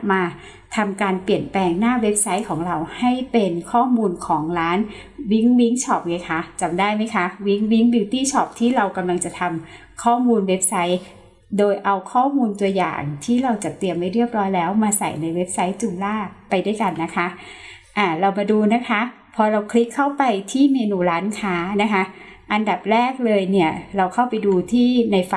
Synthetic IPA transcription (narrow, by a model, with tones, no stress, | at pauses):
maː˧ | t̪ʰa˧mkaː˧npli˨˩ənplɛː˧ŋnaː˥˩we˦˥p̚sa˦˥jkʰɔː˩˦ŋɾa˧wha˥˩jpe˧nkʰɔː˥˩muː˧nkʰɔː˩˦ŋɾaː˦˥n | wi˦˥ŋwi˦˥ŋt͡ɕʰɔː˦˩p̚ŋɤː˧˦jkʰa˦˥t͡ɕa˧mdaː˥˩jma˦˥jkʰa˦˥wi˦˥ŋwi˦˥ŋbi˧wt̪iː˥˩t͡ɕʰɔː˦˩p̚t̪ʰiː˥˩ɾa˧wka˧mla˧ŋt͡ɕa˨˩t̪ʰa˧m | kʰɔː˥˩muː˧nwe˦˥p̚sa˦˥j | doː˧jʔa˧wkʰɔː˥˩muː˧nt̪u˧ɐja̰ː˨˩ŋt̪ʰiː˥˩ɾa˧wt͡ɕa˨˩t̪i˧əmːa˥˩jɾi˥˩əp̚ɾɔː˦˥jlɛː˦˥wmaː˧sa̰˨˩jna˧jwe˦˥p̚sa˦˥jt͡ɕu˧˩mlaː˥˩pa˧jdu˥˩jka˧nːa˦˥kʰa˦˥ | ʔaː˨˩ɾa˧wmaː˧duː˧na˦˥kʰa˦˥ | pʰɔː˧ɾa˧wkʰli˦˥kʰːa˥˩wpa˧jt̪ʰiː˥˩meː˧nuː˧ɾaː˦˥nkʰaː˦˥na˦˥kʰa˦˥ʔa˧nda˨˩p̚ɾɛː˥˩k̚lɤː˧jni˥˩ɐɾa˧wkʰa˥˩wpa˧jduː˧t̪ʰiː˥˩na˧jf